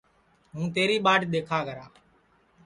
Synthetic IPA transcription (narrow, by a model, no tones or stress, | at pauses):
ɦũːt̪eːɾiːɓaːʈɗ̪eːkʰaːɡəɾaː